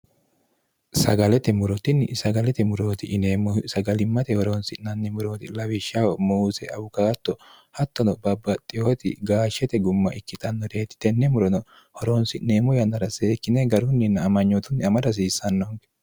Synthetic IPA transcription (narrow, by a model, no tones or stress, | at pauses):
sɐɡɐlɛt̪ɛmʊɾɔt̪ɪnːsɐɡɐlɛt̪ɛmʊɾo̞ːt̪ɪʔɪneːmɔsɐɡɐlɪmːɐt̪ɛhɔɾoːnsɪnːɐnːɛmʊɾo̞ːt̪ɪlɐwɪʃːɐwɔmuːsɛɐbʊkaːt̪ːɔ | hɐt̪ːɔnɔbɐbɐt̪ʼːɪjoːt̪ɪ̰ɡaːʃɛt̪ɛɡʊmːɐʔɪkːɪt̪ɐnːɔd̪eːt̪ɪ̥t̪ɛnːɛmʊɾɔnɔ | hɔɾoːnsɪʔneːmɔjɐnːɐɾɐseːkːɪnɛɡɐɾʊnːɪnɐɐmɐɲːɔt̪ʊnːɪɐmɐd̪ɐs̬iːsːɐnːoŋɡɛ̥